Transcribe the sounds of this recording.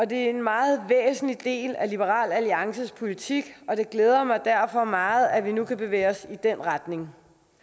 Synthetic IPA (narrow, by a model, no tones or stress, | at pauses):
ɒ̽d̥e̝æɐe̝nmɑ̈ːð̞̩ˠʋḛːsn̩lid̥e̝̰ːlælib̥əʁɑ̰̈ːlæliɑ̈ŋsəspʰo̝lit͡sʰiɡ̥ɒ̽d̥e̝ɡ̥leːð̞ˠɐmɑ̈ɪd̥æɐfɒ̽mɑ̈ːð̩ˠæʋinukʰæb̥e̝ʋḛːɒ̽sid̥enʁad̥ne̝ŋ